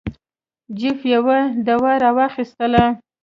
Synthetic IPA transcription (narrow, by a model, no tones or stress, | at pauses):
d͡ʒɪfjawad̪awaɾɑwɑxist̪əla